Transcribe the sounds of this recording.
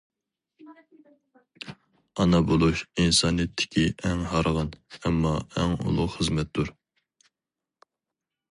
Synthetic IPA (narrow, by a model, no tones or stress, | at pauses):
ɑnɑbolˠuʃinsɑːnijɛt̪ʰːɪ̥kʲʰiʔɛŋɦɑɾʁɑnɛmːɑɛŋṵlˠʊqχəzmɛt̪̚d̪uɾ